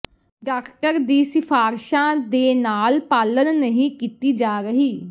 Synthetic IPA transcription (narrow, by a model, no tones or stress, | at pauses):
ɖaːkʰʈəɾd̪iːsɪfʰaːɾʃãːd̪eːnaːlpaːlənːəɦĩːkiːt̪iːd͡ʒaːɾəɦiː